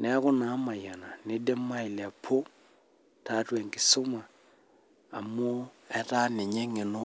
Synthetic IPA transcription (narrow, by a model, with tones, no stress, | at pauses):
nɛ˨˦kʊ˦na˨˦ma˨ja˨na˨ne˦de˦ma˦i˨la˨pʰo˦ | ta˨˦twɛ˨ŋɡɪ˨so˦ma˨ | a˨mo˦ɛ˦ta˦ne˨ɲe˦ŋe˨no˦